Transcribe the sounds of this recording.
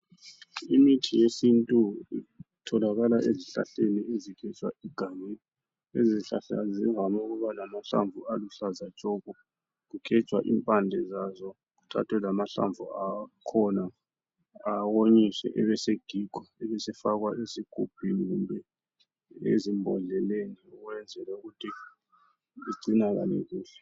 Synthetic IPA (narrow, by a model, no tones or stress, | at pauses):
imitʰijesintʼuitʰɔlaɣalaʔeziɬa̰ɬeniezikʰɛt͡ʃʼwa̰iɡ̥ʱamɛni | eziɬa̰ɬa̰zivamauɣuβalamaɬa̰ɱvualuɬazat͡ʃʼɔɣɔ | ɣukʰɛt͡ʃʼwa̰ʔḭmpʼand͡ɮʱɛzazɔ | k̬utʰa̰tʰwɛlamaɬa̰ɱvuakʰɔnaː | woɲiswɛ̰ʔɛβɛseɡ̥ʱiɡ̥ʱɔɛβɛsɛfak̬waʔesiɡ̥ʱupʰiniɣumbʱɛ | ḛzimbʱɔɮɛleniuɣwɛnd͡zʱɛlɛuɣutʰi | iǀinaɣ̬a̰nḛkuːɬɛ̥